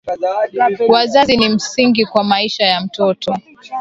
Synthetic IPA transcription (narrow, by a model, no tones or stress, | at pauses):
wazazinim̩siŋɡikwamaiʃajam̩tɔtʰɔ